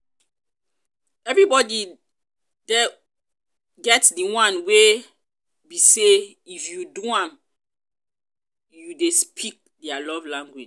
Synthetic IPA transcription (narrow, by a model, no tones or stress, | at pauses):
ɛvɹibɔdi | dɛ | ɡɛtdiwãnwe | bise | ifjuduãm | judespʰik̚dɛalɔvlãŋɡwid͡ʒ